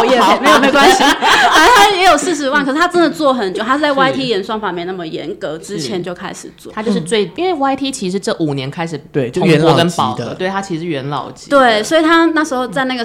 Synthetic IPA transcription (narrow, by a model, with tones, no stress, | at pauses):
jɛ˥˩˨me˥o˨˩ə˧˥wa˥nɕi˧˥a˧˥t̪ʰa˥jɛ˧˥jo˨˩ʊsɹ̩˥˩ʂ̬ɻ̩˧˥wa˥˩nkʰɤ˩ʂɻ̩˥t̪ʰa˥ʈ͡ʂə˥nd̪ə˨t͡swɔ˥˩xə˨˩nt͡ɕjo˥˧ʊt̪ʰa˥˩t͡sa˥˩ɪwa˥ɪt̪ʰi˥jɛ˧˥nʂwɑ˥ŋfa˨˩mjɛ˥˧na˥˩mə˩jɛ̰˧˥nkɤ˧˥ʈ͡ʂɻ̩˥t͡ɕʰjɛ˧˥nt͡ɕjo˥˩ʊkʰa̰˥ɪʂɻ̩˨˩t͡swɔ̰˥˩a˥t͡ɕjo˥˧ʊʂɻ̩˥˧t͡swe˥˩ɪi˥nwe˥˩ɪwa˥ɪt̪ʰi˥t͡ɕʰi˧˥ʂ̬ɻ̩˧˥ʈ͡ʂɤ˥˩ʔu˨˩njɛ˧˦nkʰa˥ɪʂɻ̩˨˩e˩o˥˧ɛ˧˦ɔ˥˧kə˦nɑ˨˩˦t̪we˥˩ɪt̪ʰa˥t͡ɕʰi˧˥ʂ̩˧ʂɻ̩˥˩ɥɛ˧˥nlɑ̰˨˩ʊt͡ɕi̥˧˦t̪we˥˩ɪswɔ˥i˨˩t̪ʰa˥na˥˩ʂɻ̩˧˥xo˥˧ʊt͡sa˥˧ɪna˥˩ɡə˩